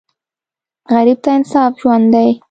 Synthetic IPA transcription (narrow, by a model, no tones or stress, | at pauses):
ɣaɾib̚t̪aɪnsɑfʒwand̪d̪aj